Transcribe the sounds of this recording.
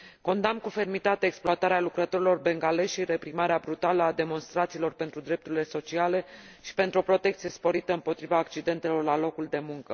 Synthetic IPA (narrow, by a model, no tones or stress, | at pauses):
ko̞nd̪amkufe̞rmit̪at̪eekspluat̪aɾealukɾət̪o̞ɾilo̞rbe̞ŋɡale̞ʃʃiɾe̞pɾimaɾeabɾut̪aləad̪e̞mo̞nst̪ɾat̪siːlo̞rpe̞nt̪ɾud̪ɾe̞p̚t̪uɾʲile̞so̞t͡ʃiale̞ | ʃi̥pe̞nt̪ɾuo̞pɾo̞t̪ekt̪sije̞spo̞ɾit̪əɨmpo̞t̪ɾivaːkt͡ʃid̪e̞nt̪e̞lo̞rlalo̞kuld̪e̞muŋkə